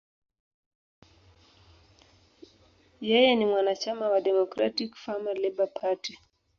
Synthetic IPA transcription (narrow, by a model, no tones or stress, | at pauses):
jɛjɛnimwanat͡ʃamawadɛmɔkɾa̰tikfamalɛbapʰati